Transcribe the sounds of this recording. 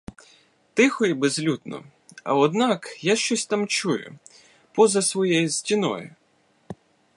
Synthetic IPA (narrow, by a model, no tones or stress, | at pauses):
t̪ɪxɔibezlʲut̪nɔ̰ | ɐ̰ɔd̪nɑkjaʃt͡ʃɔsʲt̪ɑmt͡ʃujʊ̰ | pɔzɐsʋɔjɛjʊsʲtʲinɔ̰jʊ̰